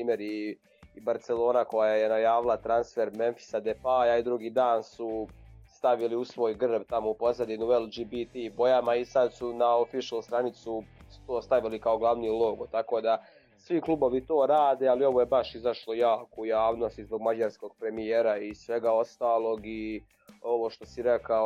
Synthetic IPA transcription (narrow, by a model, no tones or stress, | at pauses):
pɾiːmeɾi | baɾt̪selˠo̞ːnako̞jajenajaːʋilˠat̪ɾansfe̞ɾme̞nfi̥sad̪epajaid̪ɾuɡiːd̪aːnsust̪aʋiliusʋo̞ːjɡrbt̪amoupo̞zad̪inuelˠd͡ʒibit̪ibo̞jamaisad̪sunaofiʃust̪ɾanit̪susu̥t̪o̞ːst̪aʋilikao̞ɡlˠaʋnilˠo̞ɡot̪ako̞ːd̪a | sʋiklˠubo̞ʋit̪o̞ːɾaːd̪eːalio̞ʋojebaʃizaʃlo̞jaːkoujaːʋno̞st̪izbo̞ɡmad͡ʑaɾsko̞ɡ̥̚pɾe̞mijeːɾaisʋe̞ɡao̞st̪aːlˠo̞ɡi | o̞ʋo̞ʃt̪o̞siɾekao